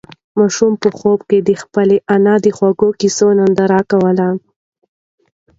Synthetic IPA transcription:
mɑʃumpəxobked̪əxpəleʔanɑd̪əxwaɡokisonand̪aɾɑkawəla

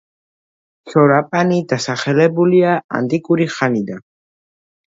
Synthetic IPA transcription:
ʃɔɾapʼanid̪asaχɛlɛbuliaa̰nt̪ʼikʼuɾiχanid̪an

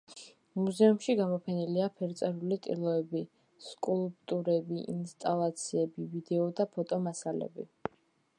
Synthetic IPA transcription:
muzɛumʃiɡamɔpʰɛniliapʰɛɾt̪sʼɛɾulit̪ʼḭlˠɔɛbi | skʼulˠpʼt̪ʼuɾɛbiʔinst̪ʼalˠat̪sʰiɛbivid̪ɛɔd̪apʰɔt̪ʼɔmasalɛ̰bi

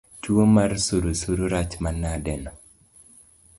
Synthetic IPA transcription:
t͡ʃwomarsuɾusuɾoɾat͡ʃmanadɛnɔ

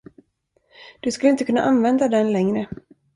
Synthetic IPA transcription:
d̪̥ɵskɵləɪnt̪əkʰɵnːa̰ʔanvɛnd̪ad̪ɛnlɛŋɾə

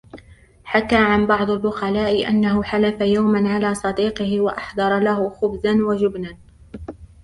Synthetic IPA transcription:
ħakaːʕanbɑʕd̪ˤalbʊxalaːʔɪʔa̰nːaɦʊħalafajawmanʕalaːsˤɑd̪iːqɪhɪwaʔɑħd̪ˤɑɾˤɑlahʊxʊbzanwad͡ʒʊbnan

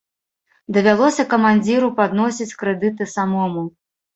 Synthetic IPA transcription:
d̪ɐvʲalˠɔsʲɐkɐmanʲd͡zʲiɾupad̪nɔsʲit͡sʲkɾɛd̪ɨt̪̬ɨsamɔmu

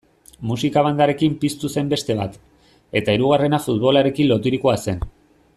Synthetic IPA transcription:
musikaβ̞and̪aɾe̞kimpist̪use̞mbe̞st̪e̞β̞at̪ | e̞t̪aiɾuɣ̞are̞nafut̪̚βo̞laɾe̞kinlo̞t̪̬iɾikoase̞n

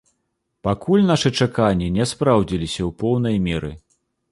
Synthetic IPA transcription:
pakulʲnaʂɨt͡ʂakanʲːinʲɛspɾawd͡zʲilʲisʲɐwpɔwn̪ɐjmʲɛɾɨ̰

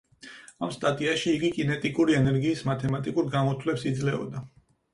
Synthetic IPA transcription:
amst̪ʼat̪ʼiaʃiːɡikʼinɛt̪ʼikʼuɾiɛnɛɾɡiːsmat̪ʰɛmat̪ʼikʼuɾɡamɔt̪ʰwlɛpsid̪zlɛɔ̰d̪a

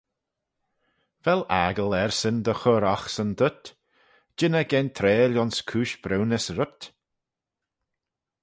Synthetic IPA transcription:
v̥ɛla̰ːɡəlɛɹsənd̪əxɔɾaxsənd̪ʊt̪ | d͡ʒɪnəɡɛnt̪ʰɾeːlʲɔnskʰuːʃb̥ɾɛwnəsɾʊt̪

